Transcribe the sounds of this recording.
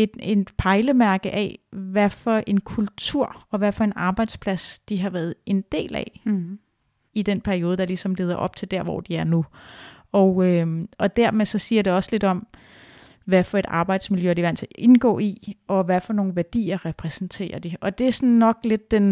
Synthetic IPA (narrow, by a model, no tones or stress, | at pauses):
e̝d̥enpʰɑ̈ɪləmæɐɡ̥əʔɛ̰ʋæfɒ̽ʔe̝nkʰult͡sʰuɐ̰ɒ̽ʋæfɒ̽e̝nɑ̈ːb̥ɑ̈ɪd̥spʰlæsd̥iɦɑ̈ʋæːɐð̞̩ˠe̝nd̥e̝̰ːlɛ̰ | id̥enpʰæɐio̝ːðˠd̥ɑ̈lisɒ̽mle̝ːðˠɐʔɒ̽b̥̚t͡sʰe̝ld̥æɐ̰ʋɒ̰d̥iæɐnu | ɒʊøʔɒ̽d̥æɐ̰mesɒ̽siːɐɾ̥e̝ɒ̽səle̝d̥ɒ̽m | ʋæfɒ̽e̝ɾ̥ɑ̈ːb̥ɑ̈ɪd̥smiljøɐɾiʋæn̰t͡sʰe̝ʔe̝nɡ̥ɔ̰ːiɒ̽ʋæfɒ̽no̝ːn̩ʋæɐd̥ḭːɐʁɛpʰʁɛsn̩t͡sʰe̝̰ːɐd̥iʔɒ̽d̥e̝æɐsɒnːɒ̽ɡ̥le̝d̥̚ːen